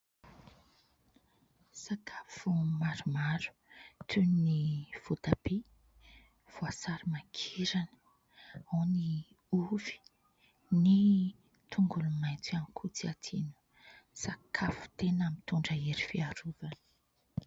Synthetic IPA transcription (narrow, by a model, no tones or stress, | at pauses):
sakʰafumaɾumaɾu̥t̪ʰunniv̥ut̪abe | v̥oasaɾimakʰiɾanə̥ | owni | uvi̥ | ni | t̪ʰuŋɡulumajnt͡samkʰut͡siat̪ʰinu̥ | sakʰafu̥t̪enamit̪uɳɖ͡ʐəeɾifiaɾuvanə̥